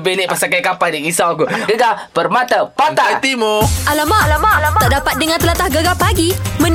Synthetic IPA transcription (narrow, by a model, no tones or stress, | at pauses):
benɛʔpasakajkapadəŋisawakuɡəɡapərmat̪apat̪at̪imoʔalamaaʔdapat̪̚dəŋãnt̪əlat̪ahɡəɡapaɡimə̃n